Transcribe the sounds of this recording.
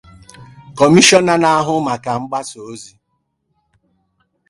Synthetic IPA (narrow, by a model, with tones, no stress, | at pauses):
kɔ˨mi˦ʃɔ˦na˦na˦a˦ɦʊ˦ma˨ka˨ŋ͡m̩˦ɡ͡ba˦so˨o˦zi˦